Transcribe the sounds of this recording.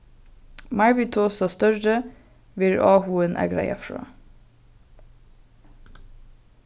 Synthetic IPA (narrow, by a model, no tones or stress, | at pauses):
mɑɹʋɪt̪ʰoːsɑst̪œɹə | ʋɪɾɑːhuənʔæ̰ɡɾæ̰ɪɑ̰fɹɑ̰ː